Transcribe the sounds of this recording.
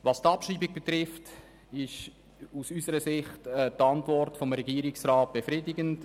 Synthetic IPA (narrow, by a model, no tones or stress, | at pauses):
vɑstɑpʃriːbɪɡ̚b̥etɾɪft | ɪʃ | usysəɾəsɪχtɛtɑntvɔrtfɔmɾɛɡiːɾɪksraːt̚b̥efɾɪdɪɡənt